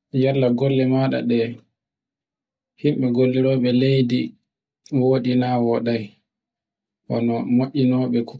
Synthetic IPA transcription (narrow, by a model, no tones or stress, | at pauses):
jalːaɡɔlːɛmaːɗa̰ɗɛ | himɓɛɡolːiɾɔːɓɛlejdi | woːɗinaːwɔɗaj | ʔɔ̰nɔmoʔʲːinɔːɓɛk